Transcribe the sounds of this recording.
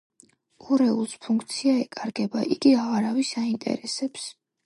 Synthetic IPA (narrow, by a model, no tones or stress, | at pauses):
uɾɛulˠspʰuŋkʰt̪sʰiaɛkʼaɾɡɛbaʔiɡiaʁaɾavisaint̪ʼɛ̰ɾɛsɛps